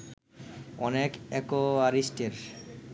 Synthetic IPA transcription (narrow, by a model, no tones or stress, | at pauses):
ɔnekɛkoaɾisʈeɾ